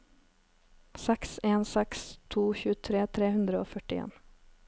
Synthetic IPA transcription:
sɛkseːnsɛkst̪ʰuːçʉːət̪ʰɾeːt̪ʰɾeːhʉnd̪ɾəoːfœʈɪḛːn

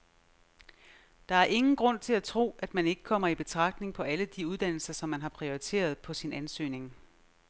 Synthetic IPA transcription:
d̥ɑ̈æɐʔe̝ŋn̩ɡ̥ʁɔ̽n̰t͡sʰe̝læt͡sʰʁo̝̰ːʔæd̥mæne̝ɡ̥ə̥kʰɒ̽m̰ɐib̥e̝t͡sʰʁɑ̈ɡ̥̚d̥ne̝ŋpʰɒ̽æləd̥iuð̞ˠd̥æn̰l̩sɐsɒ̽mːænɦɑ̈pʰʁio̝it͡sʰe̝̰ːɐð̞ˠpʰɒ̽sinænsø̰ːne̝ŋ

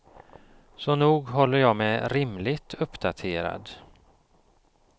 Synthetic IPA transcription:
sɔnuːɡɦɔlːəɾjɑːɡmɛɾɪmlɪɡt̪ʰɵpːd̪at̪ʰeːɾa̰d̪

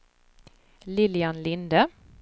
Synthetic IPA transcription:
lɪljanlɪnd̪ə

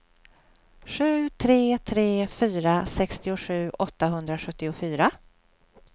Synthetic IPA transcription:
ɧʉ̟ːt̪ʰɾeːt̪ʰɾeːfyːɾasɛkst̪ɪʊɧʉ̟ːʔɔt̪ːaɦɵnd̪ɾaɧɵt̪ːɪʊfyːɾa

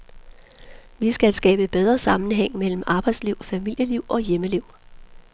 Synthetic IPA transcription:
ʋisɡ̥ælsɡ̥ɛ̰ːb̥əb̥eð̞ˠʁɐsɑ̈mn̩ɦeŋ̰mel̰m̩ʔɑ̈ːb̥ɑ̈ɪd̥sliʊ̰fæmil̰jəliʊ̰ʔɒ̽jeməliʊ̰

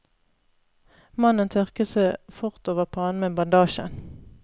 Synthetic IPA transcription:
mɑnənt̪ʰœʁkəseɪfʊʁt̪oːʋəʁpʰoɑːnmeːbɑnd̪ɑːʃə̰n

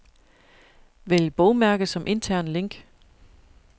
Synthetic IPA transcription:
ʋeljəb̥ɒʊmæɐɡ̥ð̩ˠsɒ̽mʔe̝nt͡sʰæɐ̰nle̝ŋ̰ɡ̥

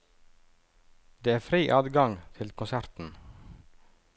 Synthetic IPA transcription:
d̪̥eːæːfɾiːʔɑːd̪ɡɑŋt̪ʰɪlkʰʊnsæɾt̪n̩

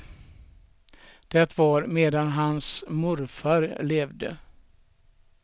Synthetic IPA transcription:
d̪̥ɛt̪vaɾmeːd̪anɦansmʊɾfaɾleːvd̪ə̰

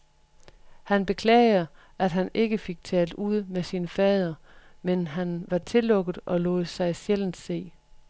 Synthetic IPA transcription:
hænb̥e̝kʰlɛ̰ːɪɐ | ʔæd̥ɦæne̝ɡ̥əfe̝ɡ̥̚t͡sʰɛ̰ːld̥uð̞̰ˠmesiːnəfɛːð̞ˠɐ | menɦænʋɑ̈t͡sʰe̝lɔ̽ɡ̥ð̩ˠʔɒ̽lɔ̰ːð̩ˠsɑ̈ɪsjel̰n̩se̝̰ː

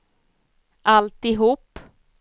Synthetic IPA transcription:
ʔalt̪ɪɦuːpː

